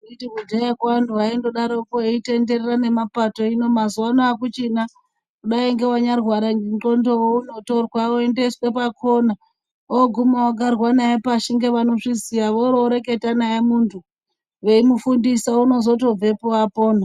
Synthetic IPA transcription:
itikudʱajakwanduʋaendoɗaɾokoeite̞nde̞rerane̞mapato̞ino̞mazuwanoakut͡ʃina | kuɗaiŋɡe̞waɲarɣwaɾaŋɡo̞ndo̞wounoto̞rwaoendeswepakʰo̞na | oɡʱumawaɡarwanajepaʃiŋɡe̞ʋano̞ʂisijaʋoroɾe̞ke̞tanajemuntʰu | ʋe̞imufundisauno̞zo̞t̬o̞b͡ve̞poapo̞ːna

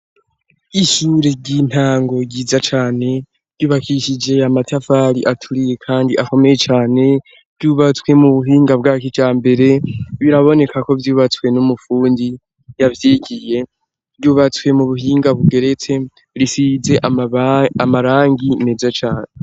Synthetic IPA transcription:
iʃuɾeɟin̥haːŋɡo̞ɟiːzat͡ʃaːne̞̥ | ɟuːβakiʃid͡ʒe̞amatafaːɾiʔatʰuɾije̞kʰaːndiʔako̞me̞je̞t͡ʃaːne̞ | ɾɟuβat͡swe̞muβuɦiːŋɡabɡaːkit͡ʃaːmbe̞ɾe̞βiɾaβo̞ne̞kʰako̞vjuːβat͡swe̞numufuːndi | javjeːɡije̞ | vɟuːβat͡swe̞muβuɦiːŋɡaβuɡe̞ɾe̞t͡se̞ | ɾisize̞ʔ | amaɾaːŋɡinezat͡ʃaːne

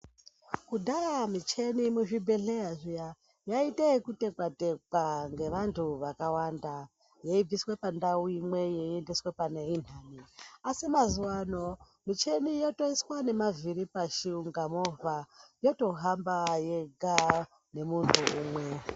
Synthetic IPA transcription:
kudʱaramit͡ʃe̞nimuʐibʱe̞ɬe̞aʐija | jaitekute̞kwatekaŋɡe̞ʋantʰuʋakawanda | je̞ib͡viswe̞pandauimwe̞jeiendiswe̞panein̤aːniasimazuwano̞ | mit͡ʃe̞nijo̞to̞iswane̞maviɾipaʃiuŋɡamo̞vajo̞to̞ɦambaje̞ɡʱa | ne̞muntʰuuːmwe̞

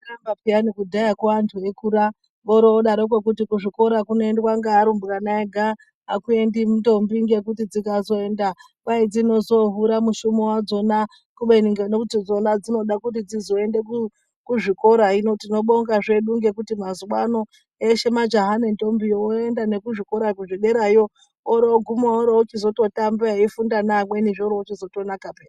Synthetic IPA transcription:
ambapianikudʱajakwaʋantʰuekuɾa | ʋoɾooɗaɾok̬wek̬utikuʐiko̞ɾakunoendekwaŋɡaaɾumbukanaeɡʱa | ɦakue̞ndimunto̞mbiŋɡe̞kutid͡zikazo̞e̞ːnda | kwaid͡zino̞zo̞ɦuɾamuʃumowad͡zo̞na | kuɓeniŋɡeneutid͡zo̞nad͡zino̞ɗakut̬id͡zizo̞e̞ndeku | kuʐikoɾainotino̞ɓo̞ŋɡaʐe̞ɗuŋɡe̞k̬utimazuwano̞ | eʃe̞mad͡ʒaɦanento̞mbiooendane̞kuʐiko̞ɾakuʐeɗe̞ɾajo̞ː | ɾooɡʱumaoɾout͡ʃizo̞to̞tambeaifundanamwe̞niʐoɾoot͡ʃizo̞to̞nakapeːra

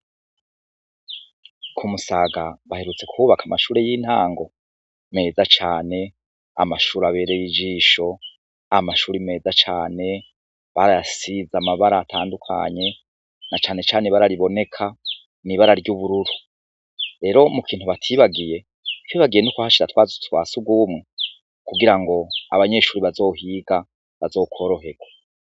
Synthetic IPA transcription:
kʰumusaːɡaβahe̞ɾut͡se̞kʰuːβakʰamaʃuːɾejin̥haːŋɡo̞ | me̞ːzat͡ʃaːne̞ | a̰maʃuːɾaβe̞ːɾejid͡ʒiːʃo̞ | amaʃuːɾime̞ːzat͡ʃa̰ːne̞ | βaɾajasizamaβaɾaːtʰaːndukʰa̰ɲe̞ | nat͡ʃaːne̞t͡ʃaːneβaɾaɾiβo̞ne̞kʰa | niβaɾaɾɟuβuɾuɾu | ɾe̞ːɾo̞mukʰiːn̥huβatʰiβaɡije̞ | tʰiβaɡije̞nukwahaʃiɾatwaːzutwaːsuɡwumŋe | kuɡiɾaŋɡo̞a̰βaɲe̞ʃuːɾiβazo̞ːhiːɡ̥a | βazo̞ːkʰo̞ːɾo̞ɦe̞ɡ̥wa

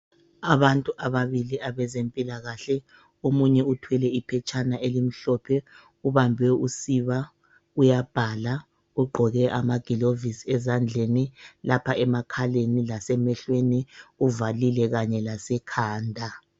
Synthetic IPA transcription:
aβantʼuʔaβaβiliʔaβɛzempʼilaɣaɬɛ | omuɲɛutʰwɛlɛipʰɛt͡ʃʰʼanaʔelim̩ɬɔpʰɛ | uβambʱɛusiβa | ujab̥ʱala | uɡ͡ǃʱɔɣɛʔamaɡ̥ʱilovisiɛzand͡ɮʱenilapʰaɛmakʰalenilasɛmɛɬweniuvalilɛɣaɲɛlasɛkʰaːndʱa

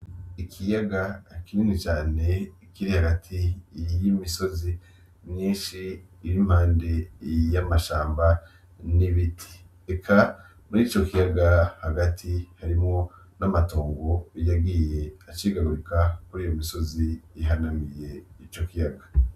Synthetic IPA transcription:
ikʰijaɡakiɲinet͡ʃaːne̞ | kiɾihaɡatʰijimiso̞zi | mɲiːnʃiː | ɾim̥haːndejamaʃaːmba | niβitʰi̥ | ekʰa | muɾiːt͡ʃo̞kijaɡahaɡatʰihaɾimŋo̞ | namatoːŋɡo̞jaɡiːje̞at͡ʃiːɡaɡuɾikakuɾiːjomiso̞ziːɦanamije̞it͡ʃo̞kijaɡa

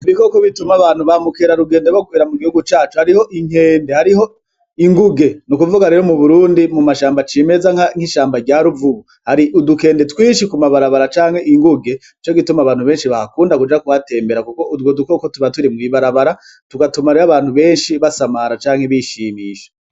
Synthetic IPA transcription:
iβiko̞koβitumaβaːn̥huβamukeɾaɾuɡeːndeɾwokweːɾamuɡihuɡut͡ʃaːt͡ʃuhaɾiho̞ʔiŋ̥he̞ːnde̞haɾiho̞ | iŋɡuɡe̞nukuvuɡahaɾeɾo̞muβuɾuːndimumaʃaːmbat͡ʃime̞zaŋaŋ̥iʃaːmbaɟaːɾuvuɡu | haɾiʔuduke̞ːnde̞twiːʃ̬ikumaβaɾaβaɾat͡ʃaːŋ̥he̞ʔiŋɡuɡe̞ | it͡ʃo̞ɡitumaβaːn̥huβeːnʃiβahakuːndakud͡ʒakuhate̞ːmbe̞ɾakuko̞udɡwoduko̞kotuβatuɾimɡiβaɾaβaɾa | tuɡatumaɾeaβaːn̥huβe̞ːnʃiβasamaɾat͡ʃaːŋheβiʃiːmiːʃe̥

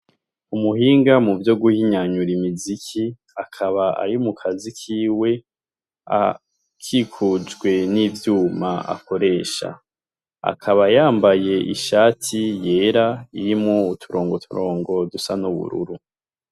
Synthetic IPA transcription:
umuhiːŋɡamuvjo̞ɡuhiɲaɲuɾimizikʰi | akʰaβaa̰ɾimukʰazikʰiːwe̞ | a̰ | kʰikʰud͡ʒɡwe̞nivjuːmaʔa̰ko̞ɾe̞ːʃa̰ | a̰kʰaβajaːmbaje̞ʔḭʃaːtʰije̞ːɾaiɾimŋoutʰuɾo̞ːŋɡotʰuɾo̞ːŋɡo̞dusanuβṵɾṵɾu

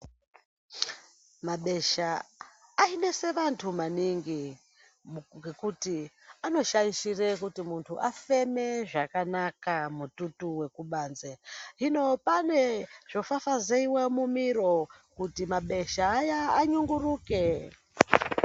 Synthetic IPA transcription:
maɓe̞ʃaː | ine̞se̞ʋantʰumaniŋɡi | ɡekuti | ano̞ʃaiʃirekutimuntʰuʔafe̞meʐakanakamututuwe̞kuɓaːnzeɦino̞paneʐ̥o̞fafazeiwemumiɾo̞kutimaɓe̞ʃaːjaːɲuŋɡuruːke

